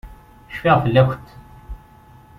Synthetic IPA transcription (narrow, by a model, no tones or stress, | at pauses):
ʃfiʁfəlːæxʷt̪